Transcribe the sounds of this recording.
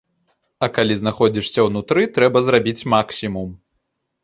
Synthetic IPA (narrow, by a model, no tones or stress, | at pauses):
ɐkalʲiznaxɔd͡zʲiʂsʲɐwnut̪ɾɨt̪ɾɛbɐzɾabʲit͡sʲmaksʲimum